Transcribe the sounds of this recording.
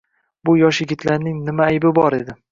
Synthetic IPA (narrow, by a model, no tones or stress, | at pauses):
bʊjɒʃjɪɡʲɪt̪ʰlaɾnɪŋnɪmaːjbɪbɒɾed̪ɪ